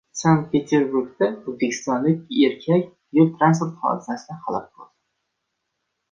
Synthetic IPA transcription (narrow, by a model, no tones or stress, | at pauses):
saŋk̪̚pʰe̞t̪ʰeɾbuɾɡd̪aozbekʲʰɪ̥st̪ɒnlɪkʲeɾkʲʰakʲ | jʊlt̪ɾans̬puɾt̪χɒ̰d̪ɪsasɪd̪ahɑlˠɒp̚bʰʊlˠd̪